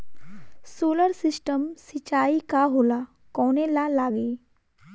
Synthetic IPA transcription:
soːləɾsɪsʈəmsit͡ʃaːikaɦoːla | kɔːñelalaːɡe

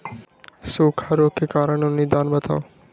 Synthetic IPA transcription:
suːkʰaɾoːkekaːɾəɳʊnid̪aːnbət̪ʰa̰ːo

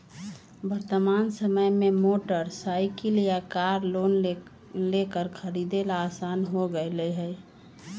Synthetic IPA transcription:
bəɾt̪əmansəməjmemoʈəɾsaɪkiljakaɾlon | lekəɾkʰəɾid̪elaːsanɦoɡəeləɦɛj

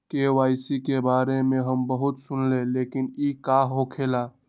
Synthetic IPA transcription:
kewaːjsikebaːɾemẽɦəmbəɦut̪sʊnleleːkɪnikaɦɦokʰeːlaː

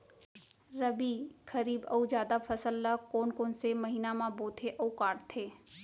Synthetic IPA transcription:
ɾəbikʰəɾiːbɐ̰ud͡ʒjaːd̪apʰəsəlːəkoːnkoːnseməɦiːnamãboːt̪ʰeʔəukaːʈt̪ʰeː

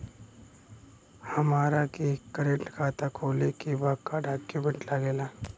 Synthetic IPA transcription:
hɐmaːɾakikːəɾeɳʈkʰaːt̪akʰoːlikibaːɡkːaɖʱaːkjumẽɳʈlaɡeːlaː

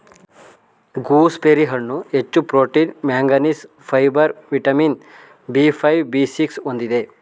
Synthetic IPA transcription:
ɡuːspeɾiɦɐɳːuet͡ʃːupɾoːʈiːnmaːŋɡɐnis | pʰɐjbɐɾʋiʈɐmin | bipʰɐjʋbisiksond̪id̪e

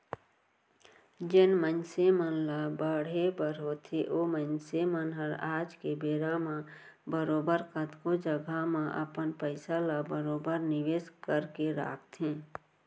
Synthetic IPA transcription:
d͡ʒɪnmənsemənlabəɽ̤ebəɾɦot̪ʰeʔomənsemənɦəɾaːd͡ʒkebeːɾamã | bəɾoːbəɾkət̪kod͡ʒəɡʱamãʔə̰pənpəɪsalabəɾoːbəɾnɪʋeːskəɾkeɾa̰ːk̚ʰt̪ɦẽ

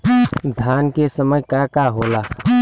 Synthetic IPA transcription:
d̪ʱjaːnkesəməjkakaɦoːlaː

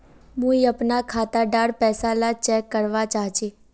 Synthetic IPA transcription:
mũiəpnakʰat̪aɖaɽpɛsalat͡ʃɛkːəɾʋat͡ʃaɦt͡ʃʰi

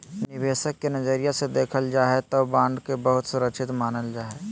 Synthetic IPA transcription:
nɪʋeːʃəkːenɐzəɾijased̪eːkʰəld͡ʒaːɦet̪obãːnɖ̪kebəɦʊt̪sʊɾəkʃɪt̪maːnəld͡ʒaːɦɛː

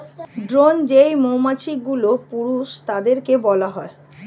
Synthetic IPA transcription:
ɖɾond͡ʑejmowmat͡ɕʰik̚ɡulopuɾuʃt̪ad̪eɾkebɔlaɦɔe

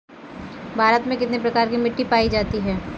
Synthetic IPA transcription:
bʱaːɾət̪mẽkɪt̪nepɾɐkaːɾkimɪʈːipaːid͡ʒaːt̪iɦɛː

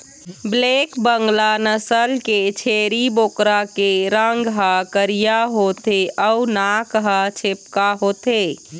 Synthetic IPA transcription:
blekbəŋɡlanəsəlket͡ʃʰeɾibokɾakeɾəŋɡɦəkəɾijaɦot̪eʔəunakɦət͡ʃʰep̚kaɦot̪e

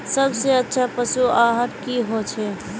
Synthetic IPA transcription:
səbseətːʃʰapəsuaɦət̪kiɦot͡ʃʰɛ

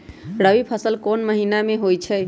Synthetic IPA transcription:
ɾəbipʰəsəlkonməɦinameɦojt͡ʃʰɛ

